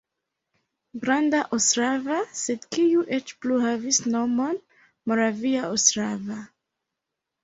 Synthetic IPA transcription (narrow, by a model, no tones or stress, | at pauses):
ɡɾandaʔostɾavase̞dkijuʔet͡ʃpluhavisno̞mo̞n | mo̞ɾaviaostɾava